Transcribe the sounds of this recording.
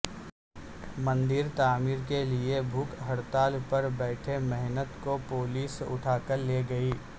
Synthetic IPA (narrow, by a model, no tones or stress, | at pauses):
mɐ̃nd̪ɪɾt̪aːmiːɾkeliebʱuːkɦɐɽt̪aːlpɐɾbɛːʈʰemɛɦnət̪kopoːliːsʊ̰ʈʰaːkəɾleːɡɐiː